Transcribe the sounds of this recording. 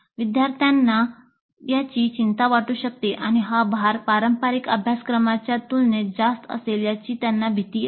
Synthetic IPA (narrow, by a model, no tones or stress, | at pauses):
ʋid̪jaɾt̪ʰjanːa | jat͡ɕiːt͡ɕint̪aʋaʈuːɕək̚t̪eʔañiɦabaɾpaɾəmpaɾikə̰bʱjaskɾəmat͡ɕjat̪ulned͡zast̪ə̰seljat͡ɕiːt̪janːabʱit̪iː